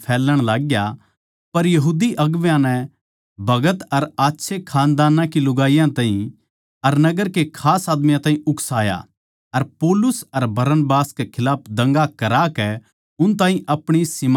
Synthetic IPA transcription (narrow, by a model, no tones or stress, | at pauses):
pʰɛːlːəɽ̃laːɡja | pɐɾjɐɦuːd̪iʔɐɡʋjãnɛ | bʱɐɡət̪ɐɾaːtːʃʰekʰaːnd̪aːnãkilʊɡaːijãt̪aːɦĩ | ɐɾnɐɡəɾkekʰaːsaːd̪mɪjãt̪aːɦĩʔʊksaːja̰ | ɐɾpoːlʊsɐɾbʱɐɾənbaːskekʰɪlaːp̚ʰd̪ɐ̃ŋɡakɐɾaːkɛ | ʊnt̪ãːɦĩʔɐpɽ̃isɪm